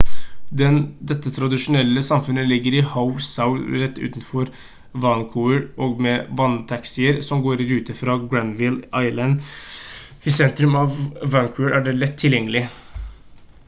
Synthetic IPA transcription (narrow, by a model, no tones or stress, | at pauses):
d̪ɛnd̪ɛt̪ːət̪ʰɾɑd̪ɪʂʊnɛlːəsɑmfʉnəlɪɡːəɾɪhaʊsaʊɾɛt̪ːʉ̰ːt̪n̩fɔɾ | ʋɑnkʰuəɾʔɔɡmɛʋɑnt̪ʰɑksɪəɾsɔmɡoːɾɪɾʉːt̪əfɾɑːɡɹænʋɪlʔɑɪlɑn | ɪsɛnt̪ɾʉmɑʋːɑnkʰuəɹʔæɖɛlɛt̪ʰːɪljɛŋːəlɪ